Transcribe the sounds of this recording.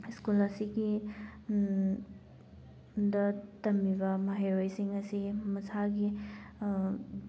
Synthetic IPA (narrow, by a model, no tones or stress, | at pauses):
skulɐsiɡi | dɐtɐmːiβɐmɐɦejɾojsiŋɐsimɐsaɡi